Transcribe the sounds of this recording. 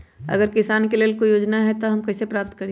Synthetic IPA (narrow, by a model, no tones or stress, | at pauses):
ɐ̰ɡəɾkɪsaːnkeleːlkojoːd͡ʒnaɦɛt̪oɦɐmkɛːsepɾaːp̚t̪kɐɾi